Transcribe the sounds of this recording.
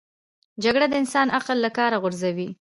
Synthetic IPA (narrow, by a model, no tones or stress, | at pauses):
d͡ʒaɡɽad̪əɪnsɑnʔaqəlːakɑɾaɣʊɾzawi